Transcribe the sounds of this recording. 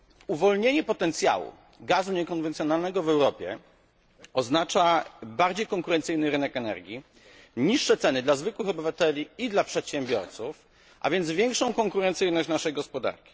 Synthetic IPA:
uvɔlɲeɲɛpɔt̪ɛnt̪sʲja̰wṵ | ɡazuɲɛkɔnvɛnt̪ʲjɔnalnɛɡɔvɛwɾɔpʲjɛ̰ | ɔznat͡ʂabaɾd͡ʑejkɔŋkuɾɛnt̪sɘjnɘɾɘnɛkɛnɛ̰ɾɡʲi | ɲiʂːɛt̪sɛnɘd̪lazvɘkwɘxɔbɘvat̪ɛlʲiid̪lapʂɛt̪ɕɛmbʲjɔɾt̪suf | ʔa̰vʲjɛnd̪zvʲjɛŋkʂɔ̃w̃kɔŋkuɾɛnt̪sɘjnɔɕt͡ɕnaʂɛjɡɔspɔd̪a̰ɾkʲi̥

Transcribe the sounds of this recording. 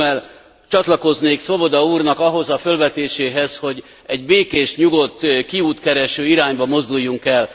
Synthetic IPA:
ɛl | t͡ʃɒt̪lɒko̞zneːkso̞bo̞d̪ɒuːrnɒkɒɦo̞zɒfø̞lvɛt̪eːʃeːɦɛzho̞ɟ | ɛɟbeːkeːʃɲuɡo̞t̪ːkiuːt̪kɛɾɛʃøːiɾaːɲbɒmo̞zd̪ujːuŋkɛl

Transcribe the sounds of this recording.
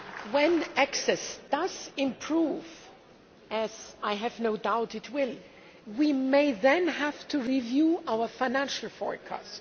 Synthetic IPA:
wɛ̃næksɛsd̥ʌz̥ɪ̃mpʰɹ̥uv | ɨz̥aɪɦɨvnoʊdaʊɾɨtʰwɪl | wimeɪðɛ̃nɦæv̥tʰuɹivjuʔaʊə˞faɪnæ̃nʃl̩ˠfɔ̰ɹkʰɔ̰st

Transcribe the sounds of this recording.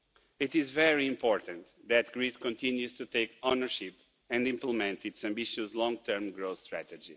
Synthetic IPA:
it̪izvɛɹiĩmpɔɹt̪ə̃nt̪ | ðæt̪ɡ̥ɹiskɔ̃nt̪ĩnjuz̥t̪ut̪eɪkonəɹʃip | ɛ̃ndĩmpləmɛ̃nt̪itsæ̃mbiʃuzlɔ̃ŋɡ̚t̪ʰɜɾmɡɹost̪ɹæt̪əd͡ʒi

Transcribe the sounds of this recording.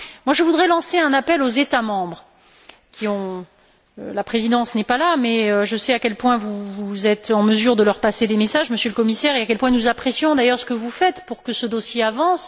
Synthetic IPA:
mwaʒəvud̪ʁɛlɑ̃seɛ̃napɛlozet̪amɑ̃bʁ | kʲʰiɔ̃ | ølapχezid̪ɑ̃snɛpalamɛøʒəsɛakʲɛlpwɛ̃vuvuzɛt̪ɑ̃məzyʁd̪əlœʁpased̪emesaʒməsjələkɔmisɛʁeakʲɛlpwɛ̃nuzapχesjɔ̃d̪ajœʁsə̥kəvufɛt̪puʁkəsəd̪osjeavɑ̃s

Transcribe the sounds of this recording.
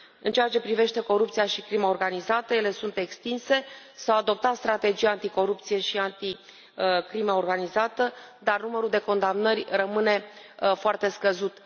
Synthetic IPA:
ɨnt͡ʃejat͡ʃe̞pɾive̞ʃt̪e̞ko̞ɾupt̪sijaʃikɾimao̞rɡanizat̪əje̞le̞sunt̪e̞kst̪inse̞ | sawad̪o̞p̚t̪at̪st̪ɾat̪e̞d͡ʒijaant̪iko̞ɾup̚t̪sije̞ʃiant̪i | kɾimaorɡanizat̪əd̪arnuməɾuld̪e̞ko̞nd̪amnərʲrəmɨne̞ | foart̪e̞skəzut̪

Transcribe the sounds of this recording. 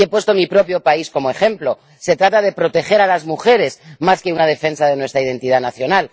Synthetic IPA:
e̞pwe̞st̪o̞mipɾo̞pjo̞paisko̞moe̞xe̞mplo̞ | se̞t̪ɾat̪að̞e̞pɾo̞t̪e̞xe̞ɾalazmuxe̞ɾe̞zmaske̞unað̞e̞fe̞nsaðe̞nwe̞st̪ɾaiðe̞nt̪iðanaθjo̞nal

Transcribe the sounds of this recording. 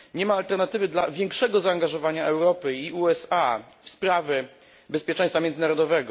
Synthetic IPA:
ɲɛmaːlt̪ɛɾnat̪ɘvɘd̪lavʲjɛŋkʂɛɡɔzaːŋɡaʐɔvaɲaʔɛwɾɔpɘiuɛsa | fspɾavʲɛ | bɛspʲjɛt͡ʂɛ̃j̃st̪famʲjɛnd̪zɘnaɾɔd̪ɔvɛɡɔ

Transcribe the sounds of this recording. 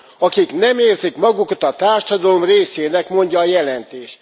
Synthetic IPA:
ɒkiknɛmeːrzikmɒɡukɒt̪ɒt̪aːrʃɒd̪ɒlo̞mreːseːnɛkmo̞ɲɟɒːjɛlɛnt̪eːʃt̪

